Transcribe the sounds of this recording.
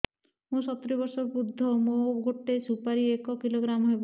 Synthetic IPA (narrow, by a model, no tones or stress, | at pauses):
mũsɔt̪ɾibɔɾsɔɾbud̪ʱːɔmoɡʱoʈːesupaɾiekɔkiloɡɾamɦojbo